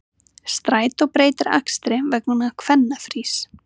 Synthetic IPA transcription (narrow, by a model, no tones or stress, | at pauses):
st̪ɾaːjt̪ɔɣpɾeːjt̪ɪɾa̰kst̪ɾɪvɛknʏnakʰvɛnːafɾiːs